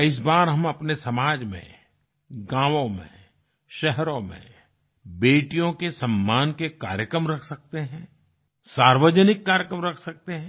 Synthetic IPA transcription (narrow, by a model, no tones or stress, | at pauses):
ɪs̬baːɾɦɐmɐpnesɐmaːd͡ʒmḛ̃ | ɡãːʋõmḛ̃ | ʃɛɦɾõmḛ̃ | beːʈijõkesɐmːaːnkeka̰ːɾjəkɾəmɾɐkʰsɐk̚t̪eɦɛ̃ | saːɾʋəd͡ʒənɪkːaːɾjəkɾəmɾɐkʰsɐk̚t̪eɦɛ̃